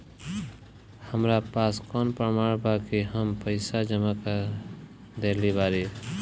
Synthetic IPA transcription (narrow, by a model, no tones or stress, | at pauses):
həmɾapaskɔnpɾəmaɽbʱakeɦəmpəɪsad͡ʒəmaka | d̪elibaɾe